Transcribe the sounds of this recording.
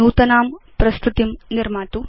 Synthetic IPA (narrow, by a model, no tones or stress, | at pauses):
nuːt̪ɐnaːmpɾɐst̪ut̪imniɾmaːt̪u